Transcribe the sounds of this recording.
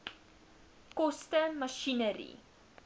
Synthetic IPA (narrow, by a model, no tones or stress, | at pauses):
kɔstənmɐʃinəɾḭ